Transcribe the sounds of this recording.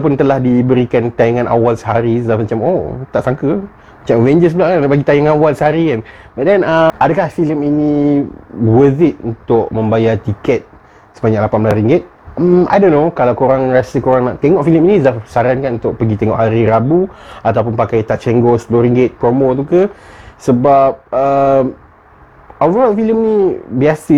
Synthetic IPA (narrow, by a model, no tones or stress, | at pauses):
aap̬ʊnt̪əlahdibəɾikant̪ajaŋãnʔa̰walsəɦaɾisəafmat͡ʃamo̰t̪aʔsaŋkə | mat͡ʃamvɛɲd͡ʒəs̬bəlaʔkanapaɡit̪ajaŋanwalsəɦaɾikanbaʔdɛnaadəkahfiləmini | wəzɪt̪̚unt̪ʊʔmə̃mbajat̪ikɛt̪̚ | səbaɲaʔlapanbəlanriŋɡɪt̪̚ | a̰jdõnːokalawkoɾaŋrasəkoɾaŋna̰ʔt̪eŋɔʔfiləminizasaɾankanunt̪ʊʔ̚pəɡit̪eŋɔʔhaɾiɾabuat̪awp̬unpakajt̪aʔ̚t͡ʃɛŋɡosə̥pəloɾiŋɡɪt̪̚pɾomot̪̬ukəsəbap̚əm | ovəɾalfiləmnibiasə